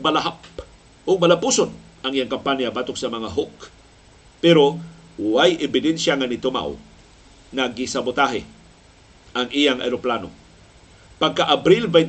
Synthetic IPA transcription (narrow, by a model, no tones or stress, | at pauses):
malaɦap | oɡ̚malapuson | ʔaŋʔijaŋkampanjabaːt̪ʊk̚sɐmɐŋaɦok | pɛɾo | wajʔɛbɪd̪ɛnsjaŋanɪt̪ʊma̰w | ŋaɡɪsabʊt̪aɦɪ | ʔaŋʔijaŋʔa̰jɾoplano̰ | paɡ̚kaʔabɾilvaj